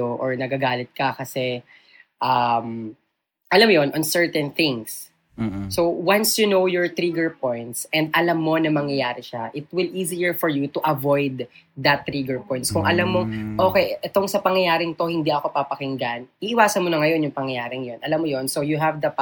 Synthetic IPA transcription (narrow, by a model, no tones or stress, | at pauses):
oʔɔɹnɐɡɐɡaːlɪt̪̚kɐkɐsɛ | ʔɐm | ʔɐlamjonʔɔnsɛɹt̪ɛ̃nθɪ̃ŋsː | owwansjunowjɔɹt̪ɾiɡɛɹpɔ̃jnt̪sʔɛ̃nd̪̚ɐlɐmːo̞nɐmɐŋjɐjaːɾɪʃaʔɪt̪̚wɪlʔiːzijɛɹfɔɹjut̪uʔɐvojd̪ːɐt̪ːɾiɡɛɹpɔjnskʊŋʔɐlɐmːoŋʔoːkɛjʔɛt̪o̞ŋsɐpɐŋjɐjaːɾɪŋt̪o̞hɪnd̪iʔɐko̞pɐpɐkɪŋɡanʔiʔɪwaːsɐnmonɐŋɐjo̞njʊŋpɐŋjɐjaːɾɪŋjonʔɐlɐmːojo̞nsowjuɦɛvd̪ɐ